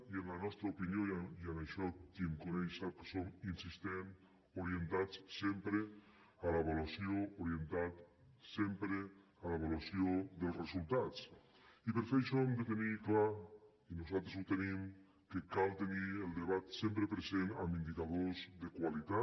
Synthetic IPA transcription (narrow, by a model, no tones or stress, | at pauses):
ienlanɔst̪ɾaupinjojanaʃɔkiŋkunejʃake̥sominsist̪en | oɾjent̪at͡ssempɾe | alaβolwasjoːɾient̪at̪ | sempɾe | alaβolwasjoðelˠsresulˠt̪at͡s | ipeɾfeʃɔemd̪et̪enikla | inuzalˠt̪ɾezut̪enim | kekalt̪enielˠd̪eβat̪sempɾepɾezena̰mind̪ikaðozðekwalit̪a